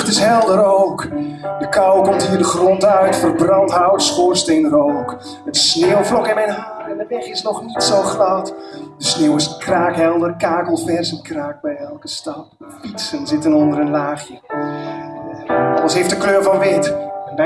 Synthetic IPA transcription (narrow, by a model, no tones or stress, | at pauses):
tɪsɦɛlˠdəɾowkdəkʌwkɔmtɦiːɹdəχrɔntœɥtfərbrɑntɦawtəspoːɹstejnrowk | ətsneːwvlɔkɪnmɛjnɦaːrɛndəʋɛχɪsnɔχnitsowχrawtd̥əsneːwɪskraːkɦɛlˠdərkaːkəlˠfɛrsənkraːk̚bɛjɛlˠkəstɑp̚ | fitsənzɪtənɔndəɾənlaːχjə | ɑləsɦejftdəkløːɹvɑnʋɪt